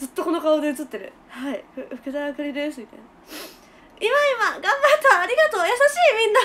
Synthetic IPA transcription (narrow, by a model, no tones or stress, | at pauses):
d͡zɨt̪ːoko̞nokaoːd̪eit͡sɨt̪ːe̞ɾɯ̟̰ | haihɯɸɯ̟kɯ̟zakɯɾʲid̪eːs̬ɨmʲit̪ain | imaimaɡãmbat̪ːaːɾʲiɡat̪o̞ːjasaɕiːmʲĩnːa